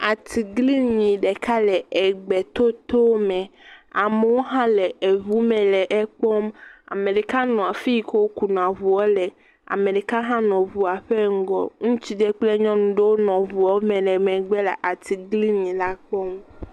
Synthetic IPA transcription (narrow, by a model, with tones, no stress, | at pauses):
a˨t̪ʰi˨ɡli˦ɲĩ˨ɖɛ˨ka˦lɛ˨ɛ˨ɡ͡bɛ˨t̪o˦t̪o˦mɛ̃˨a˨me˨wo˦ɦã˦lɛ˨e˨βu˦mɛ̃˨lɛ˨ʔɛ˦k͡pɔ˦ma̰˨me˨ɖɛ˨ka˦nɔ̃˨a˨fi˦˨ko˦wo˦ku˨n˨ã˨βu˨ɔ˦lɛ˨ | a̰˨me˨ɖɛ˨ka˦ɦã˦nɔ̃˨βu˨a˨ɸɛ˦ŋ̩˦ɡɔ̰˦ŋũ˦t͡ɕi˦d̪e˦k͡ple˦ɲɔ̃˦nũ˨ɖe˦wo˦nɔ̃˨vu˨ɔ˦mɛ̃˨lɛ˨mɛ̃˨ɡ͡bɛ˦lɛ̰˨ʔa˨t̪ʰi˨ɡli˦ɲĩ˨la˦k͡pɔ˦m